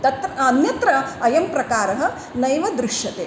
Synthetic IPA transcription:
t̪ɐt̪ɾɐːnjɐt̪ɾɐɐjɐmpɾɐkaːɾɐɦɐ̆ | nɐjʋɐd̪ɾɪʂjɐt̪eː

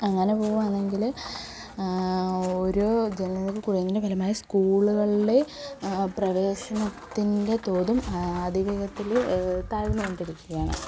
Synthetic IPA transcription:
ɐŋːɐne̞po̞ːɣuʋaːɳːe̞ŋɡil | oɾod͡ʑennɐkːɨkuːrijɐnːindebʱɐlɐmaːjɐskuːɭuɣɐɭiɖe̞ | prɐʋe̞ːɕɐnɐt̪ːinde̞t̪o̞ːðumɐd̪ʱiʋiɡɐt̪ːilt̪aːʋɐnɐonɖiɾikʲːuɣɐaːɳɨ̰

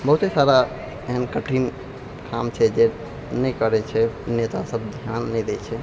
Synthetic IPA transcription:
bəɦut̪ɦesaɾa | eɦənkəʈʰin | kʰamt͡ʃʰɛd͡ʒe | nɛjkəɾɛt͡ʃʰɛnet̪asəbd̪ʱjanːɛd̪ɛt͡ʃʰɛ

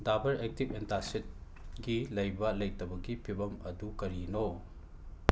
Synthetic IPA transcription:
dabɐɾek̚tipentasit̚ | ɡilɐjbɐlɐjtɐbɐɡipʰibɐmɐdukɐɾino

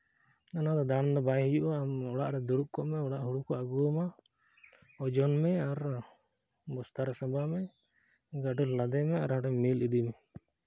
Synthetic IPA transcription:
nanad̪ɔd̪andɔbajɦijuʔɔamɔɽaʔɾɛd̪uɾuʔkɔʔmɛɔɽaʔɦuɽukɔaɡuma | ɔd͡ʒɔnmɛaɾ | bɔst̪aɾɛsabamɛ | ɡaʈuɾlad̪ɛmɛaɾhãʈɛmilid̪imɛ

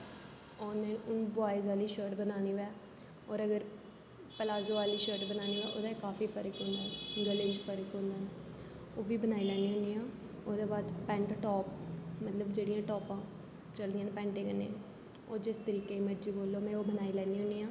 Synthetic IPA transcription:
oːnẽːʊnbaːɪzaːliːʃəːɾʈbənaːniːʋɛː | ɔːɾəɡəɾ | pəlaːzoːaːliːʃəɾʈbənaːniːʋɛːʔoːd̪aːkaːfiːpʰəɾəkɦʊ̃ːnd̪aːɛɡəlẽd͡ʒpʰəɾəkɦʊ̃nd̪aːn | oːʋiːbənaːiːlɛːniːɦʊ̃nd̪iːãː | oːd̪eːbaːd̪pɛ̃ːɳʈʈɔːpmət̪ləbd͡ʒeːɽijãːʈɔːpãː | t͡ʃəld̪ijãːnpɛ̃ːɳʈẽːkənːḛː | oːd͡ʒɪst̪əɾiːkeːməɾd͡ʒiːboːlːoːmɛ̃ːoːbənaːiːlɛːniːɦʊ̃nd̪iːãː

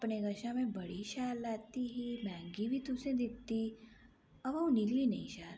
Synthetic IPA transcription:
ɐpneɡɐʃãmẽbɐɽ̤iʃaːlːaːt̪iɦimɛ̃ːŋɡibʱit̪ʊsẽd̪ɪk̚t̪i | ɐʋɐũniɡlinɐɦĩʃaːɾ

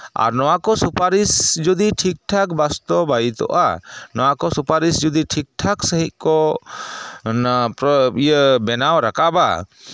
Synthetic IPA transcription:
a̰ɾnɔwakɔsupaɾisd͡ʒud̪iʈʰik̚ʈʰakbast̪ɔbajit̪ɔ̰ʔa̰nɔwakɔsupaɾisd͡ʒud̪iʈʰik̚ʈʰaksəɦiʔkɔ | napɾɔijəbɛnawɾakaba̰

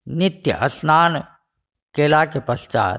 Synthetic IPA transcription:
nɪt̪jə̰ʔɐsnaːn | keːlaːkepɐst͡ʃa̰ː

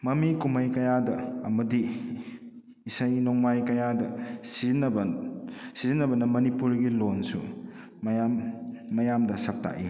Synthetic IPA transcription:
mɐmikumɐjkɐjadɐːmɐdi | sɐjnoŋmajkɐjadɐsizinɐb | sizinːɐbɐnɐmɐnipuɾɡilonsṵ | mjamːɐjamdɐsɐk̚tʰa̰ʔḭ

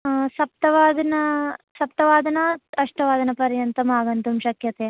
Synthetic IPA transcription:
sɐp̚t̪ɐʋaːd̪ɐnɐsɐp̚t̪ɐʋaːd̪ɐnɐɐʂʈɐʋaːd̪ɐnɐpɐɾjɐnt̪ɐmaːɡɐnt̪umʃɐkjɐt̪eː

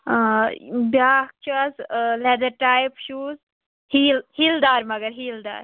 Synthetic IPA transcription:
bjaːt͡ʃazled̪ɐɾʈaːjpʃuːz | hiːlhiːld̪aːɾmɐɡəɾɦiːld̪a̰ːɾ

